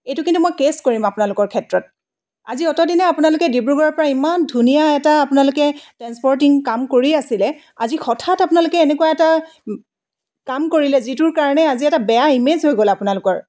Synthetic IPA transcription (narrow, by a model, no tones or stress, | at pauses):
ejtukintumojkeskoɹimapʊnalʊkɔɹkʰɛtɹɔt̚ | a̰ziɔtɔdinɛapʊnalʊkɛdibɹuɡɔɹɔɹpɔɹaimandʱunijaɛtaːpʊnalʊkɛtɹanspɔɹt̬iŋkamkoɹiasilɛ | azixɔtʰatapʊnalʊkɛːnɛkuwaɛta | kamkoɹilɛzitʊɹkaɹɔnɛaziɛtabɛjaimezɦojɡolɛapʊnalʊkɔɹ